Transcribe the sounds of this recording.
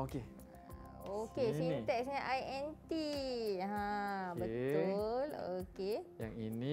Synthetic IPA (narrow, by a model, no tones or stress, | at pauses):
oke | okeit̪ɛksɲaʔajɛ̃nt̪iɦãbət̪olokejaŋini